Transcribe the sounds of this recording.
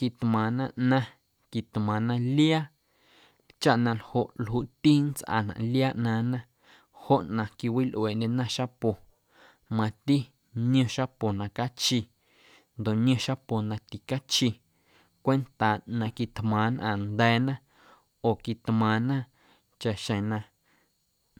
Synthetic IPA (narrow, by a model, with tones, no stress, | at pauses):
ki˧t̪mãː˨nã˧ʔnã˧ | ki˨t̪mãː˨nã˧lja˦ | t͡ʃa˦ʔnã˧lho˧˨ʔlhuː˧˨t̪i˦nt͡sʔa̰˧˨nã̰˨ʔljaː˦ʔnãː˧nã˦ | ho˦ʔnã˧ki˧wi˦lʔweː˨ʔndʲe˧nã˦ʃa˦po˨ | mã˧t̪i˦ | nj̃õ˧ʃa˦po˨nã˧ka˦t͡ʃi˧ | nd̪o˨ʔnj̃õ˧ʃa˦po˨nã˧t̪i˨ka˦t͡ʃi˧ | kʷe˦nt̪aː˨nã˧ki˧t̪mãː˨nʔã̰˧˨nd̪ɛː˨˧˦nã˦ | oː˨ki˨t̪mãː˨nã˦ | t͡ʃa˨ʔʃẽ˨nã˧